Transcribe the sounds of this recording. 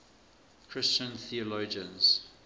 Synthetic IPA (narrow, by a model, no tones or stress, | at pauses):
kʰɹ̥ɪst͡ʃə̃nθiəloːd͡ʒə̃nz̥